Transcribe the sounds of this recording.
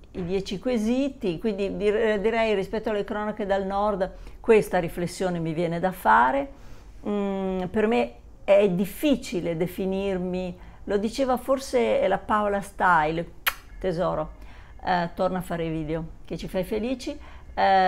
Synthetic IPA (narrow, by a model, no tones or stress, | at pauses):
id̪jɛːt͡ʃikwezit̪ikwind̪id̪id̪iɾɛjrispɛt̪ːoalːekɾɔːnaked̪alnɔrd̪kwest̪aɾiflesːjoːnemivjɛːned̪afaːɾe | perme | ɛd̪ifːit͡ʃiled̪efinirmilod̪it͡ʃeːvaforselapaolast̪ajlt̪ezɔːɾo | t̪ornafːaːɾeviːd̪eok̟et͡ʃːifajfeliːt͡ʃi